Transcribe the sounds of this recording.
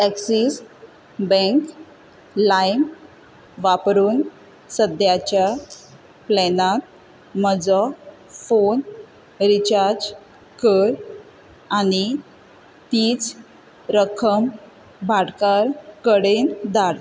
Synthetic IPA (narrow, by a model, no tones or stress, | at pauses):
tɛksis | bɛ̃ŋk | lajm | ʋapɾuːn | səd̪jat͡ɕja | plɛnat̪̚ | məd͡zɔ | fon | ɾit͡ɕaɾd͡ʑ | kəɾ | añi | t̪iːt͡s | ɾəkʰəm | bʱaɽkaɾkəɽend̪aɽ